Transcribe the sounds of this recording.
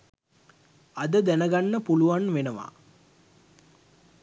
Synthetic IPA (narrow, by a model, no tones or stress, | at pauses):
ad̪əd̪ænəɡanːəpuluʋanʋenəʋa̰